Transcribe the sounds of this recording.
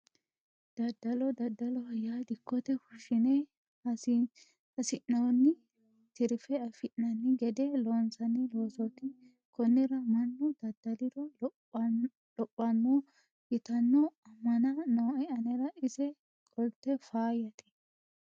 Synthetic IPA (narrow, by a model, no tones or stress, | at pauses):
d̪̥ɐd̪ɐlɔd̪ɐd̪ɐlɔɐjːaːd̪ɪkːɔt̪ɛfʊʃːɪneː | ɐsɪʔːoːnːɪ | t̪ɪɾfɛɐfɪʔːɐnːɪɡɛd̪eːloːnsɐnːiloːsɔt̪ɪ | kɔnːɪɾɐmɐnːud̪ɐd̪̥ɐlɪrɐ | ɔpʼːɐnːu | ɪt̪ɐnːɔɐmɐnaːnoːɐɐnɪɾɐɪsɛ | kʼɔlt̪ɛfaːjɐt̪ɪ̥